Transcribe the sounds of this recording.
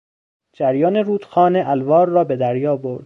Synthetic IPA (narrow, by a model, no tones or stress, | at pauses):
d͡ʒæɾjɒːneɾuːd̪̥xɒːneʔælvɒːɾːɒːbe̞d̪æɾjɒːbo̞ɾd̪